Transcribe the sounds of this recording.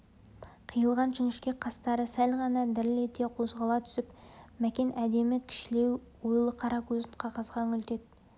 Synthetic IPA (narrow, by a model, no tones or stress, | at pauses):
qʰijəlˠʁɑnʒɪŋɪʃkʲe̞qʰɑst̪ɑɾəsælʲʁɑnɑd̪ɪɾɪlet̪e̞qʰozʁɑlˠɑt̪ʰʏ̥sɪpmækʲe̞nʔæd̪e̞mɪkʲʰɪ̥ʃɪle̞w | wojlˠəqʰɑɾɑqwɵzɪnqʰɑqɑsʁɑŋʲʏlt̪e̞t̪̚